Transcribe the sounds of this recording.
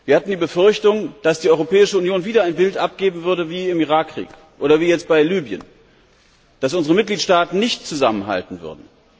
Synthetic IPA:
viːɐhatn̩diːbəfʏɐçtʊŋd̥asd̥iːʔɔʏʁopʰɛːɪʃəunjoːnviːdɐaɪnbɪltʔap̚ɡ̥eːbm̩vʏɐdɾəviːɪmiʁaːkʰːʁ̥ḭːk | ʔoːɾɐviːjɛt͡st̚b̥aɪlyːbjə̰n | d̥asʔʊnzəʁəmɪt̚ɡ̥liːtʃtaːtn̩nɪçtt͡suzamənɦa̰ltn̩vʏ̰ɐdn̩

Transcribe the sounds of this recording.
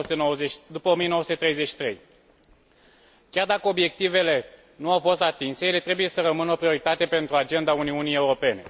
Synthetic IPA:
st̪enoəzed̪upəomijenoəsut̪et̪ɾe̞jzet͡ʃʃi̥t̪ɾe̞̰j | kʲard̪akəo̞bje̞k̚t̪ive̞le̞ | nuawfo̞st̪at̪inse̞jele̞t̪ɾe̞buje̞səɾəmɨnəo̞pɾio̞ɾit̪at̪e̞pe̞nt̪ɾuad͡ʒe̞nd̪auniunije̞uɾo̞pe̞ne̞̰

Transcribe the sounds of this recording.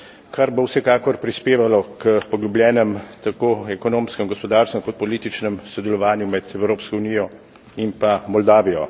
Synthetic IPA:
kʰaɾbowsɛkaːkɔɾpɾispeːʋalɔkəpɔɡlublʲjɛːnɛmt̪akoːɛkɔnoːmskɛmɡɔspɔd̪aːɾst̪ɛmkɔt̪̚pɔliːt̪it͡ʃnɛmsɔd̪ɛlɔʋaːnjumɛd̪ɛwɾoːpskɔwniːjɔ | inpamɔld̪aːʋijɔ

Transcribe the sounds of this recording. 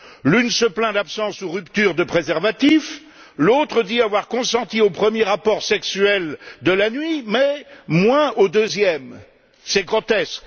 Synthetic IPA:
lynsəplɛ̃d̪apsɑ̃suʁypt̪yʁd̪əpχezɛʁvat̪if | lot̪χəd̪iavwaʁkɔ̃sɑ̃t̪iopχəmjeʁapɔʁsɛksyɛld̪əlanɥimɛmwɛ̃od̪øzjɛm | sɛɡʁɔt̪ɛsk

